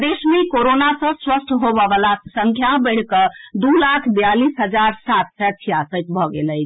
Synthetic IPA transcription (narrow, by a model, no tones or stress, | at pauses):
d̪esmekoɾonasə̃swəsʈ̪ʰɦobəbəlasəŋkʰjabəɪɽ̤kəd̪ulakʰbijalisɦəd͡ʒaɾsat̪̚ʰsɛt͡ʃʰijasət̪bʱɔɡeləjt͡ʃʰ